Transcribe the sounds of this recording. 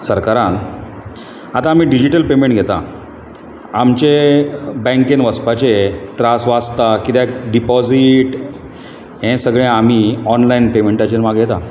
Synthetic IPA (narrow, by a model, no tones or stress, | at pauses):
səɾkaɾãn | at̪ãːm̤iːɖid͡ʑiʈəlpemẽɳʈɡʱet̪a̰ | amt͡ɕebɛ̃ŋkenʋəspat͡ɕet̪ɾasʋast̪akit̪ekɖipɔd͡ziʈ | ɦɛ̃səɡɭẽam̤iːɔnlainpemẽɳʈat͡ɕenmaɡɡʱet̪a